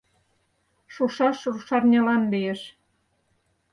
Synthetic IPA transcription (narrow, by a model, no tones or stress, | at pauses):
ʃuʃɑʃruʃɑrnʲɑlɑnbejĕʃ